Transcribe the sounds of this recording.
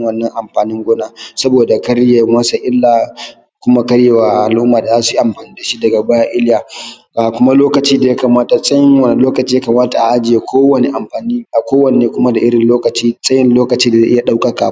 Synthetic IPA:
wɐ˦˨nːɐ˦ŋʔa˨mɸaː˨nɪ˦ŋɡʷʊ˦naː˦sɐ˦boː˨da˨kɐ˦ɽja˨mɐ˦sa˨ʔɪ˦lːaː˨ | kʷʊ˦ma˦kɐ˦ɽjeː˦˨wa˨ʔa˨lʔʊ˦mːaː˨da˨zaː˦su˨i˦ʔa˨mɸaː˨niː˦da˨ʃi˦dɐ˨ɡa˨ba˦ja˦ʔɪ˦ljaː˨ | ʔaː˨kʷʊ˦ma˦loː˦kɐ˨t͡ʃiː˦da˨ja˦kaː˨maː˦ta˨sʼɐ˦jɪ˦ŋwɐ˨n˨loː˦kɐ˨t͡ʃiː˦ja˦kaː˨maː˦ta˨ʔa˨ʔa˦d͡ʒɪ˨je˨kʷʰoː˦wɐ˨ne˨ʔa˨mɸaː˨ni˦a˨kʷoː˦wɐ˨ne˨neː˦kʷʊ˦ma˦da˨ʔɪ˦ɽɪ˨nloː˦kɐ˨t͡ʃiː˦sʼɐ˦jɪ˦nloː˦kɐ˨t͡ʃiː˦da˨ze˦ʔɪ˦a˨ɗa˦wkʼa˦ka̰ː˨˦

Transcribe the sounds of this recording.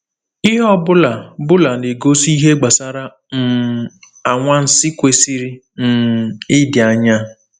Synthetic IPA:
ɪ˦ɦɔ˦bʊ˦la˨bʊ˦la˨nɪ˨ɡo˦si˦ɦe˦ɡ͡ba˨sa˦ɾa˦ | n̩˨ | a˨ŋʷa˦n̩˦sɪ˦kʷe˨si˦ɾi˦ | n̩˨ɪ˦dɪ˨a˨ɲa˦

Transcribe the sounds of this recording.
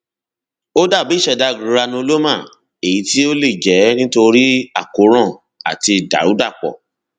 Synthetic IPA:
o˦da˦˨bi˨˦ʃɛ˧˨da˧ɡĩ˨ɾa˧nũ˧o˧lo˦mã˦˨ | e˨ji˨˦ti˦o˦le˦˨d͡ʒɛ˨˦nĩ˦to˧ɾi˦a˦˨ko˨˦ɾ̃ɔ̃˦˨ | a˨ti˧da̰˨ɾu˨˦da˦˨k͡pɔ̰˨

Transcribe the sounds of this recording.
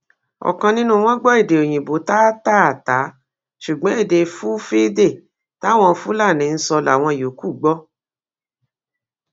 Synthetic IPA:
ɔ̰˨kã˧nĩ˦nũ˦˧w̃ɔ̃˦ɡ͡bɔ˦e˦˨de˨o˨j̃ĩ˨bo˨˦ta˦ta˦a˨ta˨˦ | ʃu˨ɡ͡bɔ̃˨˦e˦˨de˨˧fu˦fe˦de˦˨ | ta˨˦w̃ɔ̃˧fu˦la˦˨nĩ˨˦n̩˦sɔ˧la˨w̃ɔ̃˧˨jo˨˦ku˦˨ɡ͡bɔ˦

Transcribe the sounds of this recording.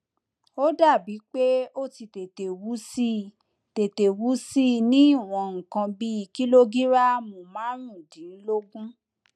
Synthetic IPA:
o˦da˦˨bi˨˦k͡pe˦o˦ti˧te˨te˨wu˨˦si˦ | te˨te˨wu˨˦si˦nĩ˦i˦˨w̃ɔ̃˧ŋ̩˨kã˧bi˦i˧ki˦lo˦ɡi˦ɾa˦mo˨mãː˨˦ɾũ˦˨dĩ˨˦n̩˦lo˦ɡũ˦

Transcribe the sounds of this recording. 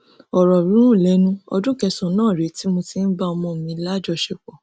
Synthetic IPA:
ɔ˨ɾɔ˨ɾũ˦ũ˦˨lɛ˨˦nũ˦ɔ̰˧dũ˦kɛ˧sɔ̃˨nãː˦˨ɾe˨˦ti˦mo˧ti˧n̩˦ba˦ɔ˧mɔ̃˧˨mĩ˧˦la˦d͡ʒɔ˧ʃɛ˧k͡pɔ˨

